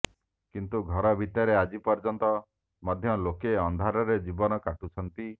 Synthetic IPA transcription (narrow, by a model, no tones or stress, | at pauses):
kint̪uɡʱɔɾɔbʱit̪jaɾead͡ʒipɔɾd͡ʒɔnt̪ɔ | mɔd̪ʱjɔlokeɔnd̪ʱaɾɔɾed͡ʒibɔnɔkaʈut͡ʃʰɔnt̪i